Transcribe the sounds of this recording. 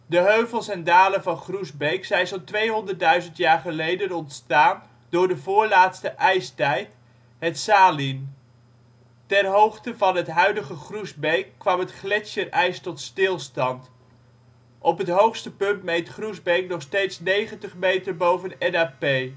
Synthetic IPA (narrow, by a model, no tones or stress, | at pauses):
dəɦøɥvəlˠsɛndaːlənvɑnχruzbejksɛjnsɔntʋejɦɔndəɹdœɥzəntjaːɹχəlejdənɔntstaːn | dʊːɹdəvʊːɹlaːtstəʔɛjstɛjt | ɦətsaːlin | tɛrɦowχtəvɑnɦətɦœɥdəχəχruzbejkːʋɑmɦətχlɛʃərɛjstɔtstɪlˠstɑnt | ʔɔpɦətɦowχstəpɵntmejtχruzbejknɔχstejtsnejχəntəχmejtəɹbowvənɛnaːpej